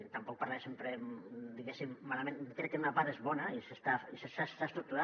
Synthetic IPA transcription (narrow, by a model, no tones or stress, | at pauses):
t̪ampɔk̚paɾlaesempɾed̪iɣesimːalamẽnokɾɛkːeunapaɾezβɔnaisest̪aisesast̪ast̪ɾuk̚t̪uɾa